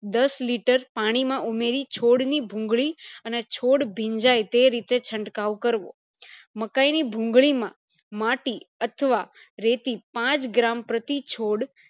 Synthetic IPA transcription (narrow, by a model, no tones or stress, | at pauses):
d̪əsliʈəɾpaɽ̃imãʔumeɾit͡ʃʰoɽnibʱũŋɡɭiənet͡ʃʰoɽbʱĩɲd͡ʒajt̪eɾit̪et͡ʃʰəɳʈkaʋkəɾʋõ̰ | məkainibʱũŋɡɭimã | maʈiət̪ʰəʋaɾet̪ipãt͡ʃɡɾampɾət̪it͡ʃʰoɽ